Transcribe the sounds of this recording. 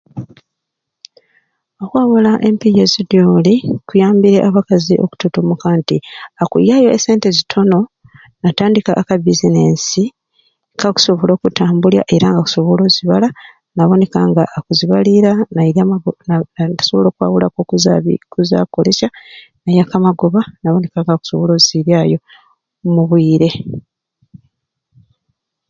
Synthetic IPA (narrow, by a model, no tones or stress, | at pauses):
o̞kwaːβulaʔe̞mpijezidoːlikujaːmbiɾe̞ʔaβakaziʔo̞̰ku̥tutomukaːntiakṵjajo̞ese̞ːnte̞zitʰo̞no̞ | nataːndikaʔːkabizine̞ːnsi | kaku̥so̞βo̞lo̞ːkutaːmbulja̰ʔe̞ɾaŋɡaku̥so̞βolo̞ːziβala | naβo̞ne̞kaŋɡakuziβaliɾanaiɾjanasoβolo̞ːkwa̰ːβula̰kokuza̰βḭkuza̰ːko̞le̞ʃa | naijakamaɡuβanaβo̞ne̞kaŋɡaku̥soβoloziɾjaːjo̞ | muβwiːɾe̞